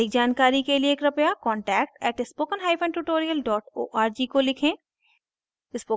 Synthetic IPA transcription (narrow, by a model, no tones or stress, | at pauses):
ɪːkd͡ʒaːnkaːɾikelieːkɾɐpjakɔ̃ːɳʈɛːk̚ʈɛːʈɪspoːkənɦaːɪpfʰə̃nɖʈuʈoːɾijəlɖɔːʈo̰ːʔaːɾd͡ʒiːkolɪkʰẽː | ɪspoː